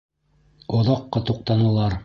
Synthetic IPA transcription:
ŏðɑqːɑt̪uq̚t̪ɑnɤ̆lˠɑɾ

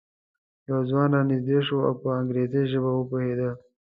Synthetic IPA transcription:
jawzwɑːnanizd̪eʃoa̰wpəaŋɡɾezeʒəbawəpohed̪a

